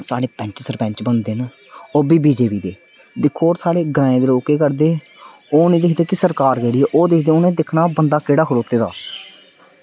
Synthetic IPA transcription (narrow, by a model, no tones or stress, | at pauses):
saːɽeːpɛ̃ːɲt͡ʃsəɾpɛ̃ːɲt͡ʃbənd̪en | oːbiːbiːd͡ʒeːpiːd̪eː | d̪ɪkʰːoːɾsaːɽeːɡɾãːẽːd̪eːloːkeːkəɾd̪eː | oːnẽːd̪ɪkʰd̪eːkɪsəɾkaːɾkeːɽieːʔoːd̪ɪkʰd̪eːoːnẽːd̪ɪkʰnaːbənd̪aːkeːɽaːkʰʊɽoːt̪eːd̪a̰ː